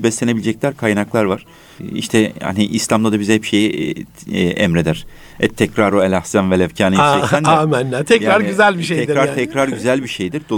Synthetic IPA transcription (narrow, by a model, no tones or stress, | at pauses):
bɛslʲe̞ne̞bilʲd͡ʒɛc̚lʲæɾkʰajnaklˠaɾvaɾ̥ | ḭʃt̪ʰɛha̰niʔislʲˠamd̪ad̪abizhɛpʃeji | ʔɛmɾe̞d̪æɾ̥ | ɛ̰t̪ʰɛcɾaɾoɛlʲahsænvɛlʲɛvcʰaːniɛænamænːæt̪ʰɛcɾaɾɟyzælʲbiʃeɛd̪ɾaɾt̪ʰɛcɾaɾɟyzælʲbiʃejd̪iɾd̪o